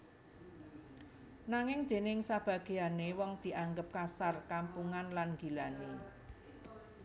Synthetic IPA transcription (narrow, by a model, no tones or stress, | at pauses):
naŋɪŋd̪̥e̤nɪŋsab̥ä̤ɡ̥e̤anewɔŋd̪̥i̤ʔaŋɡəp̚kasarkampuŋanlanɡ̥i̤lane